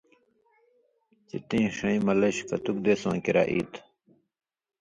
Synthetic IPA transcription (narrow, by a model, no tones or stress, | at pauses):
t͡ɕit̪ĩːʂɐ̃ĩmɐlɐɕkɐt̪uk̚d̪eːsã̰ːkiɾa̰ʔḭːt̪ʰ